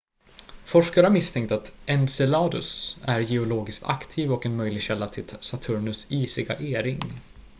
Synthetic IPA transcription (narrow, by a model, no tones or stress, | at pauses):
fɔʂkaɾəhaɾmɪst̪ʰɛŋkt̪at̪ɛnsɛlɑːd̪ɵsæɾjɛʊloːɡɪskt̪ʰa̰kt̪ʰiːvɔkɛnmœjlɪɡɕɛlːat̪ʰɪsat̪ʰɵɾɳɵsiːsɪɡa̰ʔeːɾɪŋ